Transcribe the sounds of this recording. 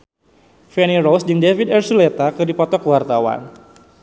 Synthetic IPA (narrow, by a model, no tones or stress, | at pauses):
fɛniɾowsd͡ʒɨŋdevidɛrsulet̪akɨrdipɔt̪ɔkəwart̪awa̰n